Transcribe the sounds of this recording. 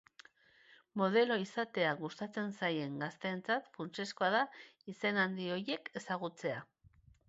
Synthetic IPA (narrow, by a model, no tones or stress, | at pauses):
mo̞ð̞e̞lo̞isat̪e̞aɣust̪at͡se̞nsaje̞ŋɡast̪e̞ːnt͡sat̪funt͡ʃe̞sko̞aðaise̞nand̪io̞je̞ke̞saɣ̞ut͡se̞a